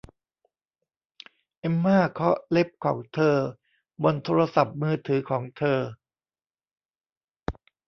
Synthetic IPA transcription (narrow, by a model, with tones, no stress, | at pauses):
ʔe˧mːaː˥˩kʰɔ˦˥le˦˥p̚kʰɔː˩˦ŋt̪ʰɤː˧ | bo˧nt̪ʰoː˧ɾa˧sa˨˩p̚mɯː˧t̪ʰɯː˩˦kʰɔː˩˦ŋt̪ʰɤː˧